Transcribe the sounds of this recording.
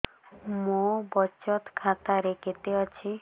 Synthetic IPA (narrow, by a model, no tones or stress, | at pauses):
mũbɔt͡ʃɔt̪kʰat̪aɾeket̪eɔt͡ʃʰi